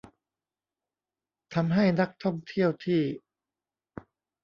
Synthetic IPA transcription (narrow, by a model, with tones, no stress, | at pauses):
t̪ʰa˧mɦa˥˩jna˦˥k̚t̪ʰɔ˥˩ŋt̪ʰi˥˩əwt̪ʰiː˥˩